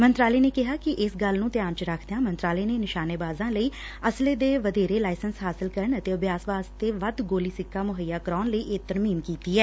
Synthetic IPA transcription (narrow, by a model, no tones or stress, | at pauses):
mənt̪ɾaːleːneːkɪɦaːkɪʔɪsɡəlnũːt̪ɪjaːnt͡ʃəɾakʰd̪jãːmənt̪ɾaːleːneːnɪʃaːneːbaːzãːləiː | əsleːd̪eːʋəd̪eːɾeːlaːɪsənsɦaːsɪlkəɾəɳət̪eːəbjaːsʋaːst̪eːʋəd̪ɡoːliːsɪkːaːmʊɦəjːaːkəɾɔːnləiːʔɪt̪əɾmiːmkiːt̪iːɛː